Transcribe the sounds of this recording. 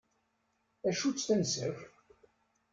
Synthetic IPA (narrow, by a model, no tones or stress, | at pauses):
æʃut͡sːθænsəf